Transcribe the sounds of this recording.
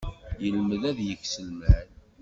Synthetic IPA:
jəlməðæðjəçsəlmæn

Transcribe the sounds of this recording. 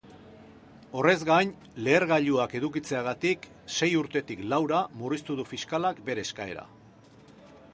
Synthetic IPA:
o̞re̞zɣajn | le̞ːɾɣaʎuake̞ðukit͡se̞aɣat̪ik | se̞juɾt̪e̞t̪iklawɾamurist̪uð̞ufiskalakbe̞ɾe̞skae̞ɾa̰

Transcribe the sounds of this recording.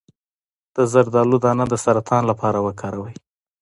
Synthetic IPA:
d̪̥əzaɾd̪ɑlud̪ɑnad̪əsaɾat̪ʰɑnlapʰɑɾawəkʰɑɾawəj

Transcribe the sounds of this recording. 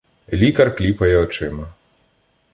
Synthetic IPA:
lʲikɐrklʲipɐjɛɔt͡ʂɪmɐ

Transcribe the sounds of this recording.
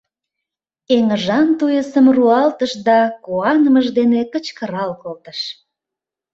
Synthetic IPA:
eŋəʒɑnt̪ujəsəmruɑlt̪əʃd̪ɑkuɑnəməʒd̪enekət͡ɕkəɾɑlkolt̪əʃ

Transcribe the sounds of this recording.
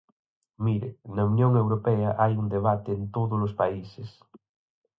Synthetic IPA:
miɾenɐunjõŋewɾopɛɐʔajund̪eβat̪eːnt̪oðolospaises

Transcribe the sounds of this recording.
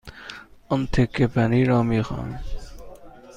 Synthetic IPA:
ʊmt̪ʰekːepʰæniːɾɔːmiːxɑ̰ːn

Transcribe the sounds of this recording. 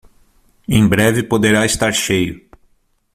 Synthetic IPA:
ẽj̃bɾɛvɪpod̪eɾaɪst̪aɾʃejʊ

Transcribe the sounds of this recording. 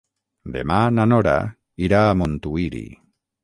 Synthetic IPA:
d̪ḛmananoɾa̰ | iɾamont̪uiɾḭ

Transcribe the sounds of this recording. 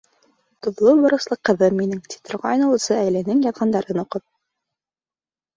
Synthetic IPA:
t̪ŏðlˠɤbŏɾɤ̆slˠɤqːɤ̆ðɤmːinɘŋt̪ʲi̥t̪ŏɾʁɑːjnɤ̆lˠɤ̆sɤæjlænɘŋjɑðʁɑnd̪ɑɾɤnoqɤp̚

